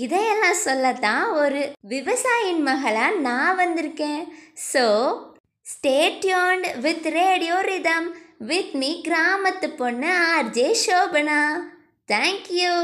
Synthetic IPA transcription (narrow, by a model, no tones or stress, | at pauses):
ɪðɛ̃ɛlːãːsɔlːɐt̪ãːɔɾɯʋɪʋɐsaːjɪnmɐɣɐɭaːnãːʋɐnd̪ɪɾɯkːẽːsoː | sʈeːʈjɔːɳɖʋɪt̪ɾeːɽɪjoːɾɪd̪ɐmʋɪt̪miːɡɾaːmɐt̪ːɯpːɔnːɯaːɾd͡ʒeːʃoːbɐnaː | t̪ʰɛːŋkju